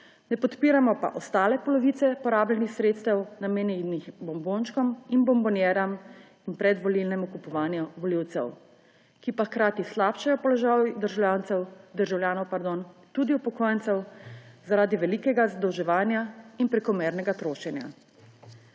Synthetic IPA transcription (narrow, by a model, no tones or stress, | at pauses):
nɛpɔt̪piːɾamɔpa̰ʔɔst̪aːlɛpɔlɔʋiːt̪sɛpɔɾaːblɛnixsɾet̪st̪ɛwnameːnɛnixbɔmbonʃkɔminbɔmbɔnjɛːɾam | inpɾɛd̪ʋɔlilnɛmɔkupɔʋaːnjɛʋɔliwt̪sɛ̰w | kipaxkɾaːt̪islaːpʃajɔpɔlɔʒajd̪əɾʒawljaːnt̪sɛwd̪əɾʒawljaːnɔwpaɾd̪ont̪ud̪iupɔkoːjntsɛwzaɾaːd̪iʋɛlikɛɡazad̪ɔwʒɛʋaːnjainpɾɛkɔmɛːɾnɛɡat̪ɾoːʃɛnja̰